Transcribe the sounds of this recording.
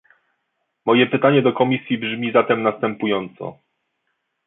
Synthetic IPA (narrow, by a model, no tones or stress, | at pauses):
mɔjɛpɘt̪aɲɛd̪ɔkɔmʲisʲjibʐmʲizat̪ɛmnast̪ɛmpujɔnt̪sɔ̰